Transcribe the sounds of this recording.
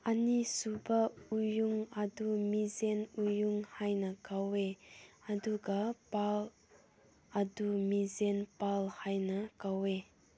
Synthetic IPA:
ʔɐnisubɐujuŋɐdumizenujuŋhajnɐkaweɐduɡɐpal | ʔɐdumizɛnpalhajnɐkawe

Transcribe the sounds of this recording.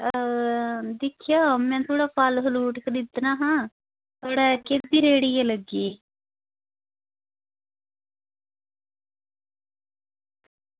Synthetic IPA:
d̪ɪkʰːjaːmɛ̃ːt̪ʰoːɽaːpʰalɦʊluːʈkəɾiːt̪naːɦãː | t̪oɽɛːkeːb̪iːɾeːɽijeːləɡeː

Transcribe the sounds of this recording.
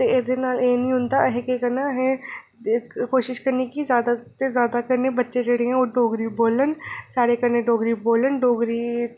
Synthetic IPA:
t̪eɪːd̪enaːleːnĩːɦʊ̃nd̪aɦẽkekənaɦɛ̃ | koːʃɪʃkəɾnekizjaːd̪at̪ezjaːd̪akəɾnebətːʃẽd͡ʒeːɽeɦɛ̃ːoːɖoːɡɾiboːlənsaːɾekəɾneɖoːɡɾiboːlənɖoːɡɾiː

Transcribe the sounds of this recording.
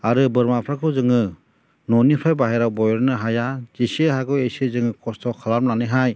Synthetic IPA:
aɾɯbɯɾmapʰɾakʰɯwzɯŋɯ | nɔnipʰajbaɦajɾawbɔjɔɾnɯɦajazisiɦaɡɯwesezɯŋɯkʰɔstʰɔkʰalamnanɯɦaj

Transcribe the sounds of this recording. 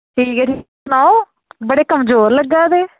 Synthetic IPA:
ʈʰiːkɛːʈʰiːsnaːo | bəɽeːkəmzoːɾləɡːaːd̪eː

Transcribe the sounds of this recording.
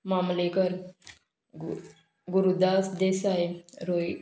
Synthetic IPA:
mamlekəɾ | ɡuɾud̪asd̪esaeɾoj

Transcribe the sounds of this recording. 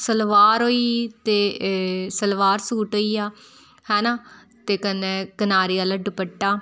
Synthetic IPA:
səlʋaːɾɦoːiːt̪eːsəlʋaːɾsuːʈɦoːiːaː | hɛ̃ːnaː | t̪eːkənekənaːɾiːaːlaɖʊpəʈːaː

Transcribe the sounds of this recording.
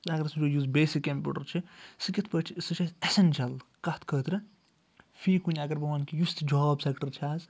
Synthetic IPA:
ɐɡɐɾsud͡ʒojuːzbeːsikempʲṵʈɐɾt͡ʃʰisɨkit̪ʰpət͡ʃʰisɨt͡ʃʰasesent͡ʃʰɐlkɐt̪kʰəːt̪ɾɐ | fʰiːkunʲiɐɡɐɾbɐʋaːnkijust̪d͡ʒɔːbsekʈɐɾt͡ʃʰaːz

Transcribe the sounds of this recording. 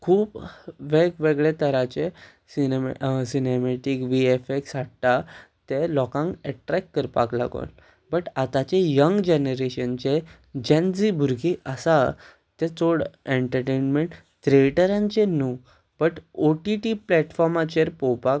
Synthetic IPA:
kʰuːbʋeɡʋeɡɭet̪əɾat͡ɕe | sinemsinemeʈikʋiefeksaɽt̪at̪elɔkãŋkɛʈɾɛkːəɾpa̰kla̰ɡo̰n | bəʈat̪at͡ɕejəŋɡd͡ʑenəɾeɕənt͡ɕe | d͡ʑẽnd͡zibʱuɾɡiʔəsa | t̪ẽt͡soɽeɳʈəɾʈenmeɳʈ | t̪ɾeʈəɾãnt͡ɕenu | b̥əʈoʈiʈiplɛʈfɔɾmat͡ɕeɾpowpak

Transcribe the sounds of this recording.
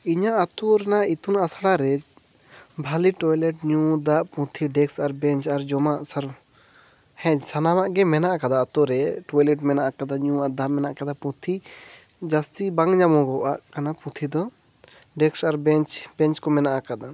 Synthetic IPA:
iɲaʔat̪uɾɛnait̪unasɽaɾɛ | bʱaliʈɔjlɛʈɲud̪aʔpũt̪ʰiɖɛksaɾbɛ̃ɲt͡ʃaɾd͡ʒɔmaʔsaɾ | hɛ̃sanamaʔɡɛmɛnaʔakad̪aat̪ɔɾɛʈɔjlɛʈmɛnaʔakad̪aɲũaʔd̪amɛnaʔkad̪apũt̪ʰi | d͡ʒast̪ibãŋɲamɔ̃ɡɔʔaʔkanapũt̪ʰid̪ɔ | ɖɛksaɾbɛɲt͡ʃbɛ̃ɲt͡ʃkɔmɛnaʔakad̪a

